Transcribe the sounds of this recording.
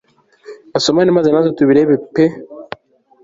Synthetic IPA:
asomanimazanazotuβiɾebepe

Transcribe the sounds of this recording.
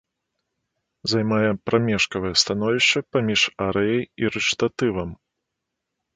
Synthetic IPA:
zajmajɛpɾʔamʲɛʂkɐvɨjɛst̪an̪ɔvʲiʂt͡ʂɨpamʲiʂaɾɛjɐjiɾɨt͡ʂt̪at̪ɨvɐm

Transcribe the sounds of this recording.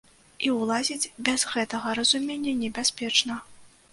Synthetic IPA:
iwlˠazʲid͡zʲbʲɛzɣɛt̪ɐɣɐɾɐzumʲenʲːɐnʲɛbʲasʲpʲɛt͡ʂnɐ

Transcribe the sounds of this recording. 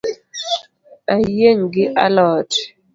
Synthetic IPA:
ajeŋɡɪʔa̰lɔt

